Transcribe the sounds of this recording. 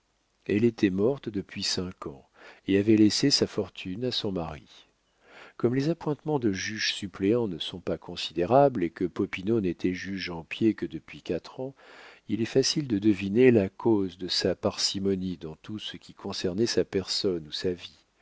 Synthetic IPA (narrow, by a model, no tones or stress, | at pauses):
ɛlet̪ʰɛmɔʁt̪d̪əpɥisɛ̃kʰɑ̰̃ | eavɛlesesafɔʁt̪ʰynasɔ̃maʁḭ | kɔmlezapwɛ̃t̪mɑ̃d̪əʒyʒsypleɑ̃nəsɔ̃pakʰɔ̃sid̪eʁablekəpɔpinonet̪ɛʒyʒɑ̃pjekəd̪əpɥikʲat̪χɑ̃ilɛfasild̪əd̪əvinelakʰozd̪əsapaʁsimɔnid̪ɑ̃t̪usəkʲikʰɔ̃sɛʁnɛsapɛʁsɔnusavi